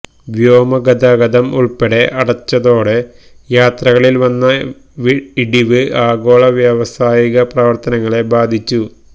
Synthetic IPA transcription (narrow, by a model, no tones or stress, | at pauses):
ʋjoːmɐɡɐd̪aːɡɐd̪ɐmuɭpeɽe̞ʔɐɽɐt͡ɕːɐðo̞ːɽe | jaːt̪rɐɣɐɭilʋɐnːɐ | iɽiʋɨaːɡo̞ːɭɐʋjɐʋɐsaːjiɣɐprɐʋɐrt̪ɐnɐŋːɐɭe̞baːd̪ʱit͡ɕːu